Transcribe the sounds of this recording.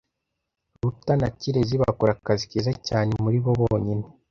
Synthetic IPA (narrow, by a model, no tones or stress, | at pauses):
ɾutanaciɾeziβa̰koɾakazikiːzacaːne̞muɾiβo̞βooɲine̞